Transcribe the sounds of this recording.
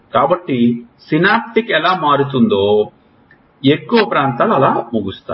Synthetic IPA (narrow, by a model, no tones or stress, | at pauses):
kaːbɐʈːisinaːp̚ʈ̪ikɛlaːmaːɾut̪und̪oː | ekːuʋɐpɾaːnt̪aːlɐlaːmuɡust̪a̰ː